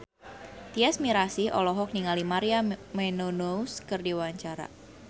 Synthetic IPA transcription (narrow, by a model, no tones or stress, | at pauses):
t̪iɛsmiɾasiʔɔ̰lɔɦɔk̚niŋalimaɾiamɛnonouskɨrdiwaɲt͡ʃaɾa̰